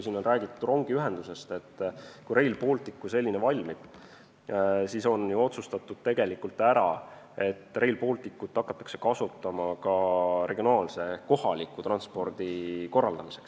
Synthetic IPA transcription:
kjsiːno̞nræːɡ̥it̪ːuro̞ŋɡ̥iyɦe̞nd̪̥use̞st̪e̞t̪ːkujɾe̞jlpo̞ːlt̪ikːˑuse̞lʲːinevɑlʲmid̪̥ | siso̞njuo̞t̪sust̪ɑt̪ːud̪̥̚t̪e̞ɡ̥e̞likːult̪ːˑæɾɑ̰ | e̞t̪ːˑre̞jlpo̞ːlt̪ikːˑut̪ˑːɑkːˑɑ̥t̪ːˑɑ̥kse̞̥kɑsut̪ːˑɑmɑkɑre̞ɡ̥io̞nɑːlse̞ko̞hɑlikːˑut̪rɑnspo̞rd̪̥iko̞rːɑld̪̥ɑmiseks

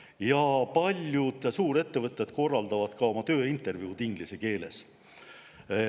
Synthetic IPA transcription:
jɑpɑlʲjud̪̥suːɾe̞t̪ːe̞vɤt̪ʲːˑed̪̥ko̞rːɑld̪̥ɑvɑd̪̥kɑo̞mɑt̪ø̞ːint̪ːˑe̞rvjiut̪iŋɡ̥liseke̞ːle̞̰s

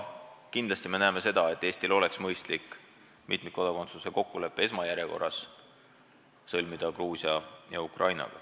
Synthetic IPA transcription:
kind̪lɑsʲt̪ime̞næːme̞se̞d̪ɑe̞t̪ːˑe̞ːst̪ilo̞le̞ksmɤjst̪likː | mit̪ˑmikːo̞d̪ɑko̞nt̪suse̞ko̞kːule̞pːˑee̞smɑjæɾje̞ko̞̰rːɑs | ɤlmid̪̥ɑkruːsiɑjɑukrʔɑjnɑ̰ɡ̥ɑ̰

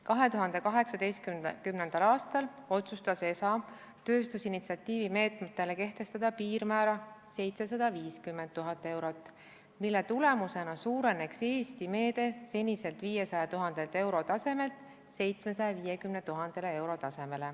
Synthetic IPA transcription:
kɑɦe̞t̪uɦɑnd̪̥e̞kɑɦe̞ksɑd̪e̞jst̪̚kykymnend̪̥ɑlɑːst̪ɑlo̞t̪sust̪ɑse̞sɑ | t̪ø̞ːst̪usinit̪siɑt̪ːˑiːvime̞ːt̪ˑmet̪ːe̞le̞ke̞ht̪e̞st̪ɑd̪̥ɑpiːrmæːɾɑse̞jt̪se̞s̬ɑd̪̥ɑviːskymːent̪ːuɦɑt̪ːˑe̞wɾo̞t̪ːˑ | milːe̞t̪ule̞muse̞nɑsuːɾe̞ne̞kse̞ːst̪ime̞ːd̪̥e̞se̞nʲːise̞lt̪viːje̞sɑjɑt̪uɦɑnd̪̥e̞lt̪ːe̞wɾo̞t̪ɑse̞me̞lt̪ˑ | se̞jt̪smesɑjɑviːjekymnet̪uɦɑnd̪̥e̞le̞e̞wɾo̞t̪ɑse̞me̞le̞

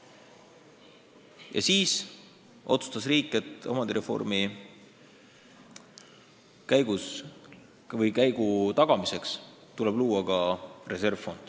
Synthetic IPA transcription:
jɑ̰siːs | ʔo̞̰t̪su̥st̪ɑsriːkːˑe̞t̪ːˑɑ̰mɑnd̪iɾe̞fo̞̰rmi | kæjɡus | vɤjkæjɡ̥ut̪ɑɡ̥ɑmise̞ks | t̪ule̞b̥luːɑkɑre̞se̞rv̥fo̞nd̪̥

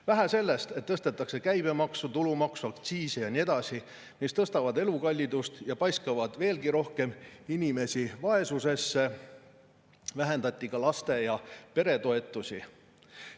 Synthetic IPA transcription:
væɦæse̞lːe̞st̪et̪ːɤst̪et̪ːˑɑkse̞kæjb̥e̞mɑksut̪ulumɑksuɑkt̪siːsejɑnie̞d̪̥ɑsi | mist̪ɤst̪ɑvɑd̪e̞lukɑlʲːid̪ust̪jɑpɑjskɑvɑd̪̥ve̞ːlɡiɾo̞hke̞minʲime̞sivɑe̞suse̞sːe̞ | væɦe̞nd̪ɑt̪ʲːˑikɑlɑst̪e̞jɑpe̞ɾe̞t̪o̞e̞t̪ːˑusʲi

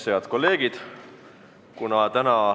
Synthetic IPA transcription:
sejɑd̪̥ko̞lːe̞ːɡ̥id̪̥ | kunɑt̪ænɑ

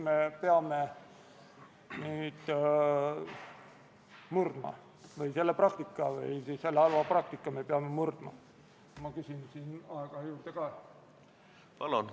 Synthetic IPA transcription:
me̞peɑme | niːd̪̥ | murd̪̥mɑ̰ | vɯjse̞lːeprɑkt̪ikːˑɑvɯ̰jsise̞lːeɑlvɑprɑk̚t̪ikːˑɑme̞peɑme̞murd̪̥mɑ̰ | mɑkysinsiːnɑeɡ̥ɑjuːrd̪̥ekɑː | pɑlon

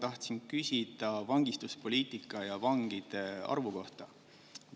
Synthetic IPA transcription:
t̪ɑht̪sinkysʲid̪̥ɑvɑŋɡ̥ist̪uspo̞lʲiːt̪ˑikːˑɑjɑvɑŋɡ̥id̪̥e̞ɑ̰rvuko̞ht̪ɑ

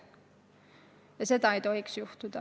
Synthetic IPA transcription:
jɑset̪ɑit̪o̞ɦiksjuht̪ud̪ɑ

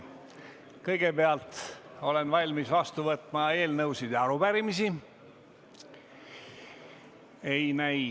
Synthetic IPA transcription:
kɤjɡ̥e̞peɑlt̪o̞le̞nvɑlʲmisvɑst̪uvɤt̪ːˑmɑe̞ːlnɤwsid̪eɑɾubæɾimisi | e̞jnæj

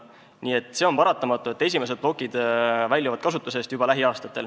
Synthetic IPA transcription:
niːe̞t̪ːˑse̞o̞npɑɾɑt̪ːˑɑmɑt̪ːˑue̞t̪ːes̬ʲime̞s̬e̞d̪̚b̥lo̞kːˑid̪̥vælʲjovɑd̪̥kɑsut̪ːˑuse̞st̪jub̥ɑlæɦiɑːst̪ɑt̪ːˑe̞l

